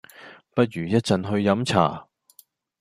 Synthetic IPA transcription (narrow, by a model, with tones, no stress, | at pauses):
pɐ˥t̚ɥyː˨˩jɐ˥t̚t͡sɐ˨nɦɵ˧ɥjɐ˨˥mt͡sʰa̰ː˨˩